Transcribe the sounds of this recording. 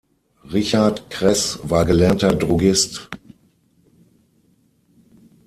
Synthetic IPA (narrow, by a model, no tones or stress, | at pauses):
ʁɪçaɐtkʁ̥ɛsvaːɐɡəlɛɐtɐdʁuɡɪst